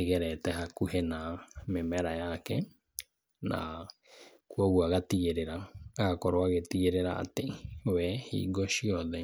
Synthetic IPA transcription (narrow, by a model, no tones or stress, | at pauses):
eɣeɾɛtɛɦakuhenamemɛɾajakɛ | na̰ | kuoɣwaɣatiɣeɾeɾaɣakoɾoaɣetiɣeɾeɾa̰ːtewɛhḭːɡoʃiɔðɛ